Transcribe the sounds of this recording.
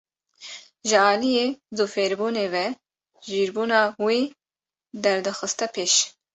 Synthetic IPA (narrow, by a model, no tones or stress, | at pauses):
ʒɨɑːlijeːzufeːɾbuːneːvɛ | ʒiːɾbuːnɑːweː | d̪ɛɾd̪ɨxɨst̪ɛpʰeːʃ